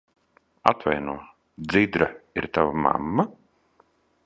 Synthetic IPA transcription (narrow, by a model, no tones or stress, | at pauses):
a̰t̪vajnuɔ | d̪zid̪ɾaiɾt̪avama̰mːa